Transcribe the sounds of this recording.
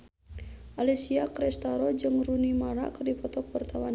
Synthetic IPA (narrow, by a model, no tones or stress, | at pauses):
ʔalɛsiakɾɛst̪aɾɔd͡ʒɨŋɾunimaɾa̰kərdipɔt̪ɔkwart̪ʰawan